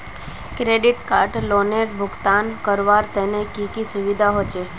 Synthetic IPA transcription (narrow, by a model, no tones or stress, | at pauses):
kɾeːɖɪʈkaːɾʈloːneɾbʱʊɡt̪aːnkəɾʋaːɾt̪ɛnekikisʊʋid̪ʱaɦot͡ʃeː